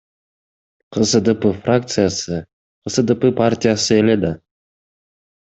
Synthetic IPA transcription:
qʰəsəd̪əpəfrak̚t̪sɨjasɨ | qʰəsəd̪əpəpʰarʲt̪ʲijasɨelʲed̪a

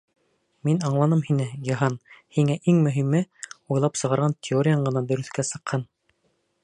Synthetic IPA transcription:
minɑɴlˠɑnɤmhinɘɡiɦɑnhiŋæʔiŋmɵ̆ɦimɘujlˠɑpsɤ̆ʁɑɾʁɑnt̪ʲʰɪoɾʲɪjaɴɢɤ̆nɑd̪ɵ̆ɾɵ̆θkæsɤ̆qhɑn

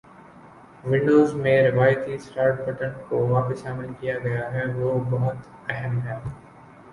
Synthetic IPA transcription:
ʋɪ̃ɳɖoːzmẽɾɪʋaːjt̪isʈaːɾʈ̚bɐʈənkoʋaːpəsʃaːmɪlkijaɡɐjaɦɛʋoːbɐɦʊt̪ | ɛɦəmɦɛː

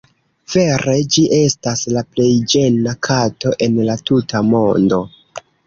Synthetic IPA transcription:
v̥e̞ɾe̞d͡ʒiʔe̞staslaple̞jd͡ʒe̞nakʰato̞ʔe̞nlatutʰamo̞ndo̞

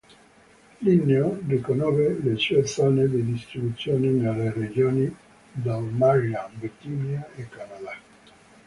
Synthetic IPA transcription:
linːeodikonɔvelesesaned̪ed̪ist̪ɾibut̪sːjoːninelːered͡ʒoːni | d̪almaɾiambet̪iniaekːanad̪a

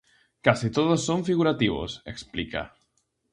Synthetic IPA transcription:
kasit̪oðosːoɱfiɣuɾat̪iβo̰sḛksplika̰

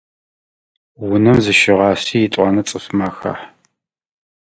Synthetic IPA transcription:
wʊnɐmzɨʃɪʁɑːsiːjɪtʷʼɑnɐt͡sʼɨfmaːxa̰ħ

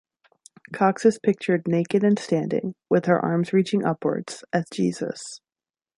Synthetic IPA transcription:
kʰɑksɨspʰɪk̚t͡ʃə˞dⁿneɪkɨɾɨ̃nstæ̃ndɪ̰̃ŋwɪð̥ə̰˞ʔɑ̰ɹmzɹit͡ʃɪ̃ŋʔʌ̰pʰwə̰˞dz̥ʔɨz̥d͡ʒ̥ḭzə̰s

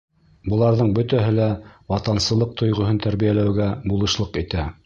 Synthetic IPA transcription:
bɤ̆lˠɑɾðɤɴbɵ̆t̪æɦɘlæwɑt̪ɑnsɤ̆ɤq̚t̪ʰŏjʁŏɦɤnt̪æɾβijælæwɡæbulˠɤ̆ʃlˠɤqit̪æ

